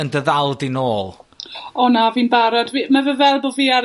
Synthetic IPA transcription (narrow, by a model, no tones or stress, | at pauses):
əndəðalˠdinoːlˠɔnaviːnbaɾɔdvimavəvɛlˠbɔviaɾ